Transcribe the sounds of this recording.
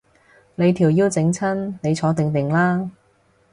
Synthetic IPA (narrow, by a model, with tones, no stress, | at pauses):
ne˨˧jt̪ʰiː˨˩wjiː˧wt͡sɪ˨˧˥ŋt͡sʰɐ˥nne˨˧jt͡sʰɔː˨˥t̪ɪ˨ŋt̪ɪ˨˩ŋlaː˥